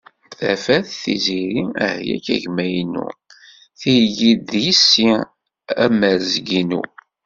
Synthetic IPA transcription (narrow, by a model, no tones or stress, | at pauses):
θæfæθθḭziɾiæ̰hjæ̰kæʝmæjnṵ | θijʝid̪jisːi | æ̰məɾzɡinṵ